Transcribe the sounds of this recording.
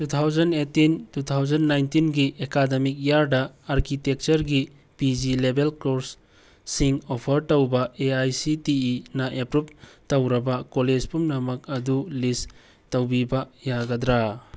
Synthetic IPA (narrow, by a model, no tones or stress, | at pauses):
tut̪ʰawzɐnetintut̪ʰawd͡ʒɐnːajntinɡiʔekademik̚jaɾdɐaɾkitek̚t͡ʃɐɾɡi | pid͡ʒilebelkoɾsː | iŋopʰɐɾtɐwbɐeajsitiːnɐʔepɾup̚tɐwɾɐbɐkoled͡ʒpumnɐmɐk̚ɐdulis | tɐwbibɐjaɡɐd̪ɾa